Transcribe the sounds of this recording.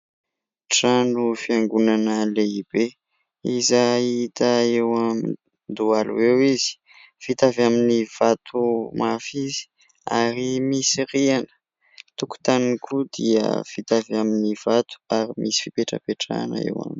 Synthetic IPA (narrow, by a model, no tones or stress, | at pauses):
ʈ͡ʂanufiaŋɡunanəleib̥e | izait̪aewami | nd̪ualṵewizi̥ | fit̪avaminiv̥at̪ʰumafizi̥ | a̰ɾimisiɾianə̥ | t̪uku̥t̪aniŋkʰud̪iə̰fit̪avaminiv̥at̪u̥aɾimʔisi̥fipeʈ͡ʂə̰peʈ͡ʂa̰nə̰ḛwa̰mini̥